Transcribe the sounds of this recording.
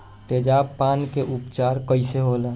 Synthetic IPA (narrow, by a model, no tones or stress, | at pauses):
t̪ed͡ʒabpaːnkeʔupt͡ʃaːɾkəɪseɦola